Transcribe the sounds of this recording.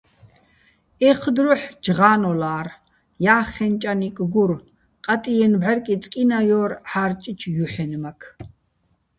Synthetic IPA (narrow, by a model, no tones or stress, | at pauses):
ɛχʰd̪ɾuħd͡ʒʁaːnɔlaːr | jaːχɛnt͡ʃʼanikʼɡuɾ | qʼat̪ʼijɛnbʕɛɾkʼit͡sʼkʼinajɔːɾħaɾt͡ʃʼit͡ʃʰjuħɛnmakʰ